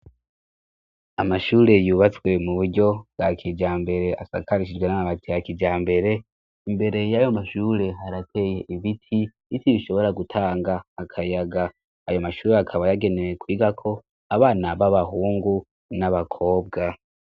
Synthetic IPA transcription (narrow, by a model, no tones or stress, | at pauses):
amaʃuːɾe̞juːβat͡swe̞muβuɾɟo̞bɡakʰid͡ʒaːmbe̞ɾe̞asa̰kaɾiʃid͡ʒɡwe̞namaβatʰijakid͡ʒaːmbe̞ɾe̞ | imbe̞ɾe̞jajo̞maʃuːɾe̞ɦaɾatʰe̞je̞ʔiβitʰi | itiβiʃo̞βo̞ɾaɡutʰaːŋɡaːkʰajaɡaː | jo̞maʃuːɾeakʰaβajaɡe̞newekwiːɡakʰo̞ | aβaːnaβaβaɦuːŋɡu | naβakʰo̞ːb̚ɡa